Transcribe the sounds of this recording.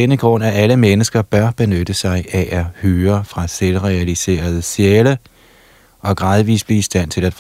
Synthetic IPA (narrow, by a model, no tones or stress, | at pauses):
enəɡ̥ʁɔ̽n̰æʔæləmenəsɡ̥ɐb̥ɶɐb̥e̝nød̥əsɑ̈ɪʔæʔæhøːɐfʁɑ̈selʁɛælise̝̰ːɐð̩ˠsjeːlə | ʔɒ̽ɡ̥ʁɑ̈ð̞ˠʋḭsb̥liisd̥æn̰t͡sʰe̝læd̥f